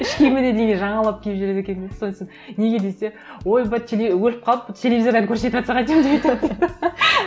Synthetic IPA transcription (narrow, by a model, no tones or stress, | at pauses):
ɪʃkʲemened̪ejɡ̪ʲeʒɑɴɑlˠap̚kʲʰepʒyɾe̞d̪ekʲe̞nbed̪sonsenne̞ɡʲe̞d̪ese̞ | wo̞jbɑt̪ʲʰelʲewɵlɪp̚qʰɑlˠəpt̪ʲʰe̞lʲevizoɾd̪ɑŋkʲʰɵɾse̞t̪ɑt̪sɑʁɑjt̪ejmd̪eβɑjt̪ɑ